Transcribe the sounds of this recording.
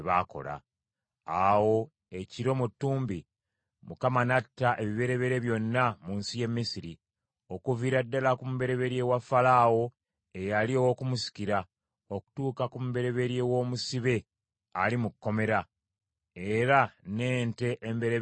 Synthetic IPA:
βako̞̰la̰ | awo̞ | e̞ciɾo̞mutːuːmbi | mukamanatːaʔe̞βiβe̞ɾe̞βe̞ɾe̞βjo̞nːamuːnsije̞mːisiɾi | o̞kuviɾadːalakumuβe̞ɾe̞βe̞ɾje̞wafːalawo̞ | e̞jaliowo̞kumusi̥ciɾa | o̞ku̥tuːkakumuβe̞ɾe̞βe̞ɾje̞wo̞ːmusiβe̞ | alimukːo̞me̞ɾa | e̞ɾane̞ːnte̞ʔːmbe̞ɾe

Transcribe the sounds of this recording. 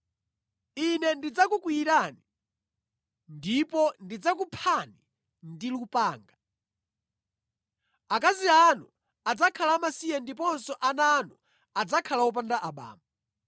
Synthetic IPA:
inɛndid͡zakukwiːɾani | ndipɔndid͡zak̬upʰani | ndilupaːŋɡa | akazianu | ad͡zakʰalaːmasiɛndipɔnsɔʔanaːnu | ad͡zakʰalawɔp̬andaʔaɓa̰ːma

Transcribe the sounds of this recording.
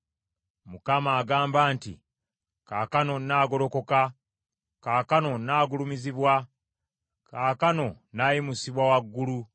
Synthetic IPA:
mukamaːɡaːmbaːntḭ | kaːkano̞nːaːɡo̞lo̞ko̞ka | kaːkano̞naːɡulumiziβwa | kaːkano̞ | naːjimusiβwawaɡːulu

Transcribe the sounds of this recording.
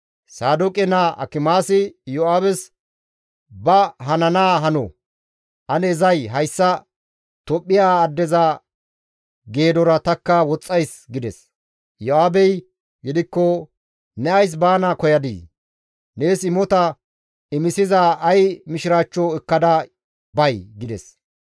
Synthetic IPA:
saːd̪ʊkʼɛnaɐ̰kɪmaːsɪjɔaːbɛs | bɐɦɐnɐnaːɦɐnɔ̰ | ʔɐnɛːzɐjɦɐjsːɐ | t̪ɔpʼːɪjaːd̪ːɛzɐ | ɡe̞ːd̪ɔɾɐt̪ɐkːɐwɔt͡sʼːɐjsɡɪd̪ɛ̰s | jɔaːbɛj | ɡɪd̪ɪkːɔ | nɛɐjs̬baːnaːkɔjɐd̪ḭː | ne̞ːsɪmɔt̪ɐ | ɪmɪsɪzaʔɐjmɪʃɪɾaːt͡ʃːɔɛkːɐd̪ɐ | bɐjɡɪd̪ɛ̰s

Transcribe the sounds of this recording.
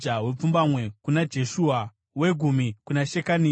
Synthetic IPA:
awe̞p͡fumbamwe̞kunad͡ʒe̞ʃuːa | we̞ɡʱumikunaʃekani

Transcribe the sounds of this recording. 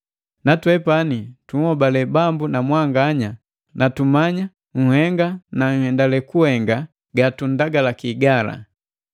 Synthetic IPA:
natwɛpanituŋhɔbalɛbambunamwaŋɡaɲa | natumaɲa | ŋ̩hɛŋɡanaŋ̩hɛndalɛkuhɛŋɡa | ɡatun̩daɡalakiːɡala̰

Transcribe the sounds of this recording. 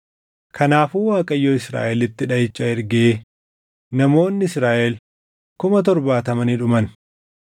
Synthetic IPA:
kʰɐnaːfuːwaːkʼɐjːoːɪsɾa̰ːʔɛlɪt̪ːɪᶑɐjɪt͡ʃʼːɐɪɾɡeː | nɐmo̞ːnːɪɪsɾaːʔɛl | kʊmɐt̪̬ɔɾbaːt̪ɐmɐniᶑʊmɐn

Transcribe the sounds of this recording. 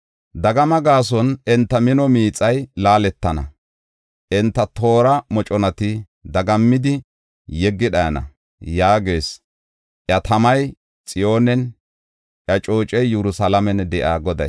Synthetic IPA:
d̪ɐɡɐmɐɡaːs̬ɔnɛnt̪ːɐmɪnɔmiːt͡sʼɐjlaːlɛt̪ːɐnɐ̰ | ʔɛnt̪ːɐt̪o̞ːɾɐmɔt͡ʃʼɔnɐt̪ɪ | d̪ɐɡɐmːɪd̪ɪ | jɛɡːɪɗɐjɐnɐ̰ | jaːɡeːs | ʔjɐt̪ɐmɐj | t͡sʼɪjo̞ːnɛn | ʔjɐt͡ʃʼo̞ːt͡ʃʼɛjːɛɾʊsalɐmɛnd̪ɛʔa̰ːɡɔd̪ɐj

